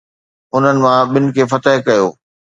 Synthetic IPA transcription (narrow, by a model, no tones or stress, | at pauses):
ʊn̤ənɪ̆mãɓɪnɪ̆kʰeːfɐt̪əɦɪkɐjoː